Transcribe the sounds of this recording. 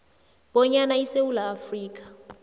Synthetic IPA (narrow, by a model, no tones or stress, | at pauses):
ɓɔɲanaisewulaːfriːk̬ʼḁ